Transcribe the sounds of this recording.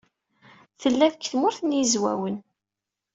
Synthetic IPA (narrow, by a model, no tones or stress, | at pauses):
θəlːæðəkθmʊɾθənjizwæ̰wən